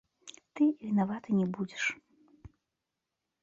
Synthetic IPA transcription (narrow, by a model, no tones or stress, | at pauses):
t̪ɨvʲinavat̪ɨnʲɛbud͡zʲɛʂ